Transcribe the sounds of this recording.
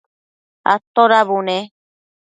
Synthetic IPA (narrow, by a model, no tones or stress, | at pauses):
a̰t̪oɾaβunẽ